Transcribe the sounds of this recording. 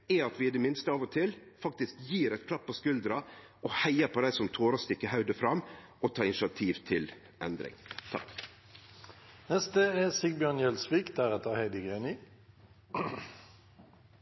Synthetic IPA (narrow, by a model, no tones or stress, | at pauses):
ɛɑt̪ʋɪɪd̪ɛmɪnst̪əɑʋɔt̪ʰɪlfɑkt̪ɪskjiːɾɛt̪̚kʰlɑpʰːɔskʉld̪ɾɑ | ɔhæɪəpʰɔd̪æɪsɔmt̪ʰoːɾɑst̪ɪkːəɦɑʉd̪əfɾɑmː | ʔɔt̪ʰɑːɪnɪʃɑt̪ʰiːʋt̪ʰɪl | ɛnd̪ɾɪ̰ŋt̪ʰɑ̰k | nɛst̪əɛsɪɡ̚bjœnjɛlsʋiːkd̪æɾɛt̪ʰɑːhæɪd̪ɪɡenɪ